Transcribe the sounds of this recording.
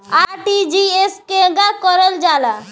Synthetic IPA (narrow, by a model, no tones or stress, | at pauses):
aɾʈid͡ʒieskeəɡakɔɾəld͡ʒala